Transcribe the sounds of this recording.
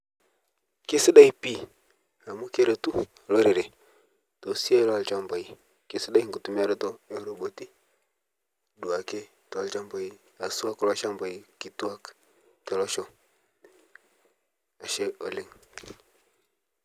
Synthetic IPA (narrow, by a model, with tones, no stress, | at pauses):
kɛ˦si˦ɗa˦i˦pi˦˨ | a˨mu˦kɛ˦ɾɔ˨tu˦˨ | lɔ˦ɾɛ˨ɾɛ˨ | tɔ˨si˦a˦lɔ˦a˨lt͡ʃa˦mba˨i˨ | kɛ˦si˦ɗa˦i˦ŋ̩˨ku˨tu˨mi˦a˨ɾɔ˦tɔ˦ɛ˦ɾɔ˨bɔ˨ti˦ | ɗu˨a˨kɛ˦ | tɔ˨a˨lt͡ʃa˦mbɔ˨i˦ | a˨su˦a˦kɔ˦la˦ʃa˦mba˨i˨ki˨tu˦a˦k | tɔ˨lɔ˦ʃɔ˨ | a˨ʃɛ˦ɔ˨li˦ŋ